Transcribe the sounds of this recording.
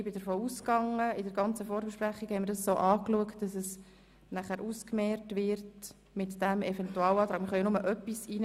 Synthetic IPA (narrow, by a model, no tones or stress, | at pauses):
bɪdəɾfoːuskɑŋːəɪdəɾɡɑnt͡səfoːɾbɛʃpræχːikhɛɪməɾdɑssoːʔɑːkluəktd̥ɑsɛs | næχæːɾʔuskmɛɾtʋɪɾt | mɪtd̥æmɛvɛntuɑːlɑːtɾɑːkmɪɾχœʏnʊməʔœpːisiːn